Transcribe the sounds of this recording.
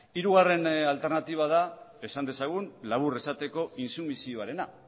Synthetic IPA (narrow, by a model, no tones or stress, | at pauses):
iɾuɣare̞nalt̪e̞ɾnat̪iβ̞að̞ae̞sand̪e̞saɣ̞unlaβ̞ure̞sat̪e̞ko̞insumisioaɾe̞na